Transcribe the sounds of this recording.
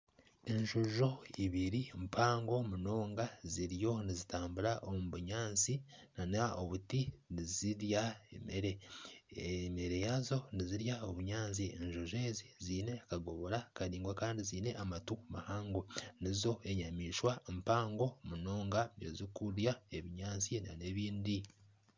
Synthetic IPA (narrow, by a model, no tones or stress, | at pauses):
enʒuʒo̞iβiɾimpʰaːŋɡo̞muno̞ːŋɡaziɾjo̞nizitaːmbuɾaʔomuβuɲaːnsinanaoβutiniziɾjaemeɾe | meɾe̞jazo̞niziɾjaoβuɲaːnsieɲʒoʒe̞ːziziːne̞kaɡo̞βo̞ɾakaɾiːŋɡwakaːndiziːne̞ʔamatumahaːŋɡonizo̞e̞ɲamiːʃwaempaːŋɡo̞muno̞ːŋɡaezikuɾjaeβiɲaːnsina̰ne̞βiːndi